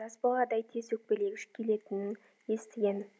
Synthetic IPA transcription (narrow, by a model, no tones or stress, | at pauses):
ɑsbɑlˠɑd̪ɑjt̪ʰe̞zwɵk̚pe̞leɡʲɪʃkʲʰe̞le̞t̪ɪnɪn | je̞st̪ɪɡʲe̞n